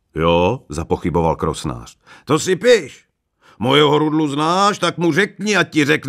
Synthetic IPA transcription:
joːzapɔxibova̰lkɾosna̰ːr̥ | t̪osɪpɪʃ | mɔjɛɦɔɾud̪luznaːʃt̪akmurɛkɲiacirɛkn

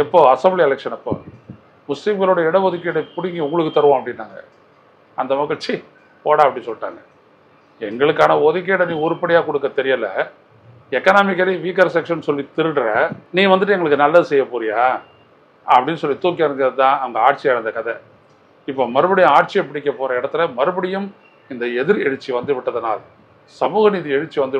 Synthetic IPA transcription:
ɛpːoːɐsɐmbliɛlɛkʂɐnɐpːo̰ː | mʊslimɡɐloːɽɐɛɽɐʋɔðɯk̬ːeːɽɐpʊɽɪŋɡiʊŋɡɐɭɯkːɯt̪ɐɾɯʋõːɐpːɐɽɪnːaːŋɡɐ̰ | ɐnd̪ɐmɐɣɐɭt͡ʃi | poːɽaːɐpːɐɽɪnsɔlːɪʈːa̰ːŋɡɐ | ɛŋɡɐɭɯkːaːnɐɔðɯk̬ːeːɽɐnĩːʊɾɯpɐɽɪjaːkɔɽɯkːɐt̪ɛɾɪjɐlɐ̰ | ɛkːɐnaːmɪkːɐliʋiːk̬ɐɾsɛkʂɐnsɔlːit̪ɪɾɯɳɾɐniːʋɐnd̪ɯʈːɛŋɡɐɭɯkːɯnɐlːɐðɯsɛjːɐpuːɾɪjaː | ɐpːɐɽɪnːɯsɔlːit̪uːk̬ːɐɾɐnd̪ɾɐðɯt̪ãːʔɐʋɐŋɡɐaːʈ̚t͡ʃɪɐɻɐnd̪ɐkɐðɛ | ɪpːoːmɐɾɯbɐɽɪjɐ̃aːʈ̚t͡ʃɪɛp̬ːɐɽɪk̬ːɐpoːɾɐɪɽɐt̪ːɪlɐmɐɾɯbɐɽɪjɯm | ɪnd̪ɐɛðɪɾɛɻɯt͡ʃːiʋɐnd̪ɯʋɪʈːɐðɐna̰ːl | sɐmuːɣɐniːðiɛɻɯt͡ʃːiʋɐnd̪ɯ

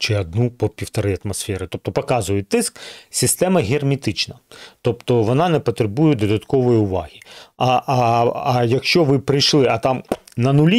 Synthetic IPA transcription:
t͡ʃɪɐd̪̚nupɔpʲiwt̪ɐɾɪɐt̪mɐsfʲɛɾɪt̪ɔp̚t̪ɔpɔkɑzʊjʊt̪ɪsksʲɪst̪ɛmɐɦʲermʲit̪ɪt͡ʃnɐt̪ɔpt̪ɔʋɔnɑnɛpɔt̪ɾebujɛd̪ɔd̪ɐt̪kɔʋɔjiʊʋɑ̰ɦʲiɐ | ɐjɐkʃt͡ʃɔʋɪpɾɪjʃlˠɪɐt̪ɑm | nɐnʊlʲi

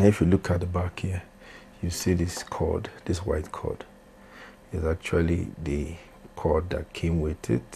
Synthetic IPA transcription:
nɪfjulukʰat̚d̪əbakhi | jusiðɪskʰɔ̰dðɪswaɪtkʰɔ̰d̥ | zak̚t͡ʃulḭðə | kʰɔdða̰t̚kʰẽmwɪðɪ̰t

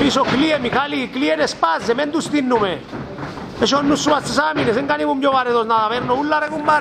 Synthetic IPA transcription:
pisɔkliemikalikliɛɾespazːemɛnd̪ust̪inːume | ɛʃɔnːusːuβast̪ːesamines̬eŋɡaniβumjɔβaɾeðɔznaðaβɛɾnɔulːaɾekumbaɾ

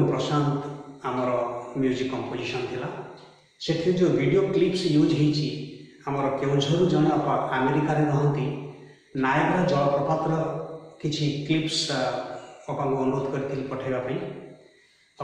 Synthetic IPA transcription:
pɾɔsand̪amɔɾɔmjud͡ʒikːɔmpod͡ʒisɔnɔt̪ʰila | set̪ʰiud͡ʒebʱiɖioklipsjud͡ʒɦejt͡ʃʰi | amɔɾɔkewd͡ʒʱɔɾud͡ʒɔɽ̃ɔɔpaameɾikaɾeɾɔɦɔnt̪i | najɾad͡ʒɔɭɔpɔpat̪ɾɔkit͡ʃʰiklips | ɔkaŋkuɔnuɾod̪ɔkɔɾit̪ʰilipɔʈʰajbapaĩ

